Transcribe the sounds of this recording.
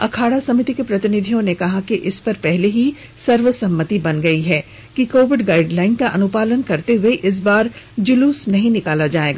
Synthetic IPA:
ɐ̰kʰaːɽasɐmɪt̪ikepɾɐt̪ɪnɪd̪ʱijõnekɐɦakiʔɪspɐɾpɛɦleɦi | sɐɾʋəsɐ̃mːət̪ibɐnɡɐiɦɛː | kikoːʋɪɖɡaːɪɖlaːɪnkaʔɐnʊpaːlənkɐɾt̪eɦʊeʔɪs̬baːɾd͡ʒʊluːsnɐɦĩnɪkaːlad͡ʒaːeːɡaː

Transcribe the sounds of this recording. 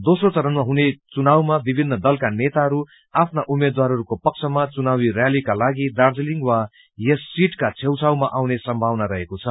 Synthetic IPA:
d̪osrot͡sʌɾʌnmaɦunet͡sunawmabibʱinːʌd̪ʌlkanet̪aɦʌɾu | apʰnaʔumed̪waɾɦʌɾukopʌk̚t͡sʰʌmat͡sunawirjalikalaɡid̪ard͡zliŋɡwa | jesːiʈkat͡sʰewt͡sʰawmaʔawnesʌmbʱawnaɾʌɦekot͡sʰʌ

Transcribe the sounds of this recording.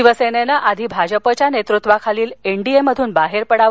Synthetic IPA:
iʋəsenenaʔad̪ʱiːbʱad͡ʑəpət͡ɕjanet̪ɾut̪ʋakʰaliːleɳɖieməd̪ʱuːnbaɦeɾpəɽa

